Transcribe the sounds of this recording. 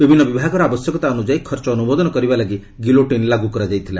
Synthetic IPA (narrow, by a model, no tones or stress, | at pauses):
bibʱinːɔbibʱaɡɔɾɔabɔsjɔkɔt̪aɔnud͡ʒajkʰɔɾt͡ʃɔːnubɔd̪ɔnɔkɔɾibalaɡi | ɡiloʈinlaɡukɔɾad͡ʒajt̪ʰila